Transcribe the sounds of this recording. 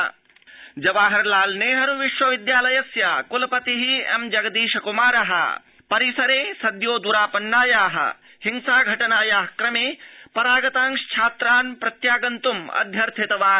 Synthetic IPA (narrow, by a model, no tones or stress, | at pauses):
d͡ʒɐʋaːɦɐɾlaːlneːɦɐɾuʋiʃʋɐʋid̪jaːlɐjɐsjaːkulɐpɐt̪iɦiḛmd͡ʒɐɡɐd̪iːʃɐkumaːɾɐɦɐ̰ | pɐɾisɐɾeːsɐd̪joːd̪uɾaːpɐnːaːjaːɦɐ̰ | hiŋsaːɡʱɐʈɐnaːjaːɦkɾɐmeːpɐɾaːɡɐt̪aːŋʃt͡ʃʰaːt̪ɾaːnpɾɐt̪jaːɡɐnt̪umɐ̰d̪ʱjɐɾt̪ʰit̪ɐʋaː